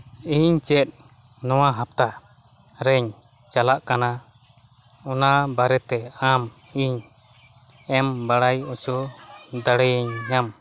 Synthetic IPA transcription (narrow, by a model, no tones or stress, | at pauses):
iɲt͡ʃɛt̪̚ | nɔwaɦap̚t̪a | ɾɛɲ | t͡ʃalaʔkana | ɔnabaɾɛt̪ɛam | iɲ | ɛmbaɽajɔt͡ʃɔd̪aɽɛjɛɲːam